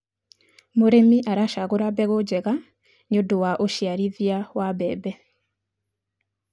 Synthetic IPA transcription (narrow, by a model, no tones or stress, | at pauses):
moɾemiʔaɾaʃaɣoɾabɛɣod͡ʒɛɣa | ɲodowaʔoʃiaɾiðjawabɛ̰ːbɛ